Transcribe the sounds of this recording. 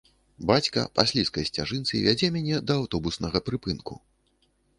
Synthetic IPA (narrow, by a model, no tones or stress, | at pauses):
bat͡sʲkɐ̰pasʲlʲiskɐjsʲt͡sʲaʐɨnt̪sɨ̰vʲad͡zʲɛmʲanʲɛd̪ɐːwt̪ɔbusnɐɣɐpɾɨpɨnkṵ